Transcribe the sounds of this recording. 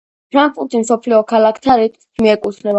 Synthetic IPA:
pʰɾaŋkfuɾt̪ʰʼismsɔpʰliɔkʰalakʰt̪ʰaɾit̪ | miɛkʼusʰnɛb

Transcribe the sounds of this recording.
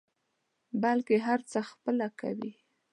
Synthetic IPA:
balkeɦaɾt͡səxpəlaka̰wi

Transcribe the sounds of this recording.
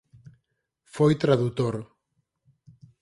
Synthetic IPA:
fojt̪ɾaðut̪oɾ

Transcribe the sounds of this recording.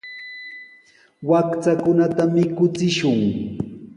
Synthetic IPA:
wakt͡sakʊnat̪amɪkʊt͡sɪʃʊŋ

